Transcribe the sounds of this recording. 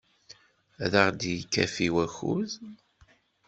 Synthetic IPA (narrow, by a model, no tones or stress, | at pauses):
æðaʁd̪jikːæfiwæçṵð